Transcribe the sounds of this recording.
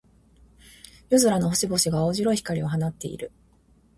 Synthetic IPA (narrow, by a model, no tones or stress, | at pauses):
jozɨɾano̞ɦoɕibo̞ɕiɡaoːʑiɾo̞içi̥kaɾʲio̞ɦanat̪ːe̞̰ḭɾɯ̟